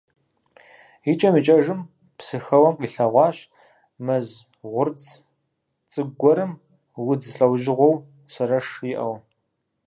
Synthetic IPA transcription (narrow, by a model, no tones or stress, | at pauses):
it͡ʃʼɐmit͡ʃʼɐʒɨm | psɨxɐwɐmqiːɬɐʁʷɑːɕ | mɐz | ʁʷʊrt͡sʰʼ | t͡sʼɨɡʷɔɾɨm | wʊd͡zɨɬʼɐwʒɪʁʷɔw | sɐɾɐʂjɪʔɐw